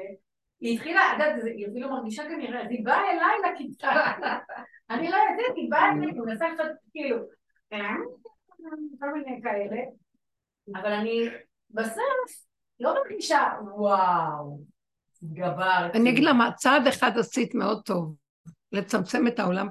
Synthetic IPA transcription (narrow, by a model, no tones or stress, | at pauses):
iːt̪χilaaɡat̪ziafilumaʁɡiʃakaniʁezibaelajlakit̪ka | anilo̞jod̪ɛt̪ibaelajinasaet͡ʃad̪kiːlu | eaamitikomako̞lminejkae̞le̞ | avalani | besof | lomaʁɡiʃawaw | ɡavaʁaniaɡid̪lamat͡sad̪e̞χad̪asit̪meo̞d̪̚t̪o̞v | le̞t͡samt͡se̞me̞t̪ao̞lam